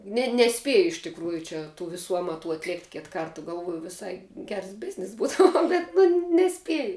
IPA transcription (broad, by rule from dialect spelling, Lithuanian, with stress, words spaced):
ˈnʲɛ nʲɛˈsʲpʲeːjʊ ɪʃ tʲɪkˈruːjʊ ˈt͡ʃʲɛ tuː ʋʲɪˈsuː ˈɑːmɐtuː ɐtʲˈlʲeːktʲ ˈkʲɪt ˈkɐrtɐ ɡɐlˠˈʋuɔjʊ ʋʲɪˈsɐɪ ˈɡʲɛrs ˈbʲɪzʲnʲɪs ˈbuːtoː ˈnʊ bʲɛt nʊ nʲɛˈsʲpʲiɛjʊ